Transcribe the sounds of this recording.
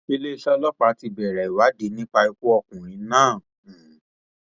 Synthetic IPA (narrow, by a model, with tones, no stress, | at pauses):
e˧le˦i˧ʃa˧lɔ˦k͡pa˧˦ti˧bɛ˨ɾɛ˨i˨wa˨˦de˨˦nĩ˦k͡pa˧i˧ku˦ɔ˧kũ˨ɾ̃ĩ˨˦nãː˦˨